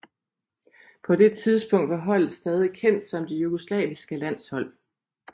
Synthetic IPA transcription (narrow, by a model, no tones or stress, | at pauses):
pʰɒ̽d̥e̝t͡sʰið̞ˠsb̥ɔ̽ŋ̰d̥ʋɑ̈ɦɒ̽l̰ð̩ˠsd̥ɛːð̞ˠikʰen̰d̥sɑ̽m̰d̥ijuɡ̥oslɛ̰ːʋisɡ̥əlæn̰shɒ̽l̰